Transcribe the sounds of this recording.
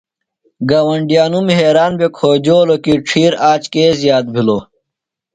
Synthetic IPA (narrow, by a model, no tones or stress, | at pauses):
ɡaːwɐɳɖijaːnumɦeːɾaːnbekʰoːd͡ʑoːlokiʈ͡ʂʰiːɾaːt͡ɕkeːzjaːt̪̚bʱiloː